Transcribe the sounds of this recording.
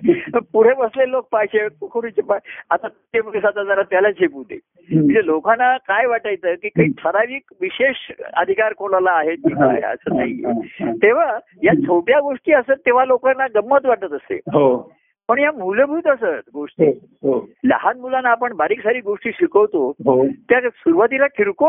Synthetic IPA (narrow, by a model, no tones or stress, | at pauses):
puɽ̤ebəslelːok̚pajɕekukʰuɾut͡ɕepaat̪at̪ːebsat̪ad͡z̪aɾat̪jalat͡ɕʰepud̪ʱḛ | əɳd͡zelokanːakajʋaʈajt͡səːkiːkaɦiːʈ̪ʰəɾaʋiːkʋiɕeʂə̰d̪ʱikaɾkʰolalaːɦet̪̚d͡ʑusa̰ɦḛə̰səna̰ɦḭḛt̪eʋ̤a | jat͡sʰoʈjaɡoʂʈiːəsət̪ːeʋ̤alokanːaɡəmːət̪ʋaʈət̪əsḛɦo | pəɳjamuləbʱuːt̪əsət̪ɡoʂʈi | ɦolə̰ɦanmulanːaːpəɳbaɾiːksaɾiːɡoʂʈiːɕikəʋt̪oɦot̪jasuɾʋat̪ilakʰiɾko